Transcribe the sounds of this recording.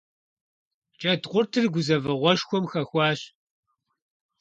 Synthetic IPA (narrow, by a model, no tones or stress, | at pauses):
t͡ʃʼɐdʁʷʊrtʰɨrɡʷʊzɐvɐʁʷɔʃxʷɔmxɐxʷɑːɕ